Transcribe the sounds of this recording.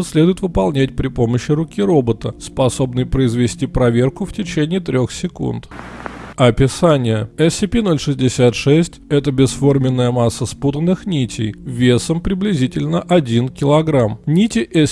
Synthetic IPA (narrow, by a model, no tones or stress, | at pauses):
sʲlʲed̪ʊjɪt̪vɨpɐlˠnʲætʲpɾʲɪpo̞məɕːɪɾʊkʲiɾo̞bət̪əspɐso̞bnɨjpɾəɪzvʲɪsʲtʲipɾɐvʲe̞rkʊftʲɪt͡ɕenʲɪːt̪ɾʲo̞xsʲɪkṵnt̪ | ɐpʲɪsanʲɪjəɛsʲɪpʲino̞lʲʂɨzʲdʲɪsʲat̪ʂɛsʲtʲɛt̪əbʲɪsfo̞rmʲɪnːəjəmasːəsput̪ənːɨxnʲitʲʰɪjvʲe̞səmpɾʲɪblʲɪzʲitʲɪlʲnəʔɐdʲinkʲɪlˠɐɡɾamnʲitʲɪʔɛ